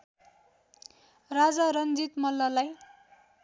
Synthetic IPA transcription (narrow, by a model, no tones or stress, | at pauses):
rad͡zaɾʌnd͡zit̪mʌlːʌlaj